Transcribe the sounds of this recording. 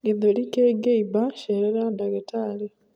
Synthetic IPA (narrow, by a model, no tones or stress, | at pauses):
eðolikeɡeibaʃeɾeɾadaɡetʰaːle